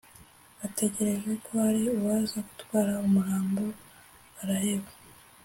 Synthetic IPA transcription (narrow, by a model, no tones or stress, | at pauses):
βate̞ɟe̞ɾe̞ʒwe̞kʰo̞haɾiuβaːzaɡu̥twaːɾaumuɾaːmbo̞ | aɾahe̞βa